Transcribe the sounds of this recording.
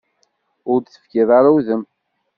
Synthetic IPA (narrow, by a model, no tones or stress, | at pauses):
ʊɾd̪θə̥fkɪðˤaɾawðəm